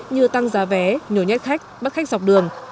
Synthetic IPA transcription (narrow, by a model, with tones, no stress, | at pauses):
ɲɨ˧t̪a˧ŋzaː˨˦vɛ˨˦ɲo˨˧˩ɲɛ˦˥t̚xa˦˥jk̟̚ɓə˦˥t̚xa˦˥k̚za˨˩k͡p̚ɗɨ˨˩əŋ